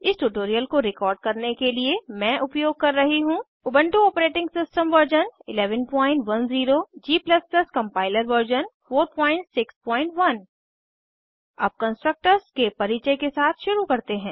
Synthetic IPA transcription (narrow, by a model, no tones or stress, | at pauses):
ɪsʈuʈoːɾijəlkoɾɪkɔːɾɖ̚kɐɾnekeliemɛ̃ːʔʊpjoːɡ̚kɐɾːɐɦiɦũ | ʊbə̃ɳʈuɔːpɾeːʈɪ̃ŋɡsɪsʈəmʋəɾd͡ʒənɪlɛːʋənpɔ̃ːɪ̃ɳʈʋɐnziːɾod͡ʒiːplɐsdɐskɐ̃mpaːɪləɾʋəɾd͡ʒənfoːɾpɔ̃ːɪ̃ɳʈsɪkspɔ̃ːɪ̃ɳʈʋɐn | ɐ̰b̚kɐ̃nsʈɾək̚ʈəɾskepɐɾiːt͡ʃekesaːt̪ʰʃʊɾukɐɾt̪eɦɛ̃ː